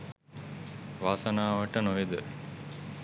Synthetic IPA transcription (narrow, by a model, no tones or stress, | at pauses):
ʋaːsənaːʋəʈənoʋed̪ə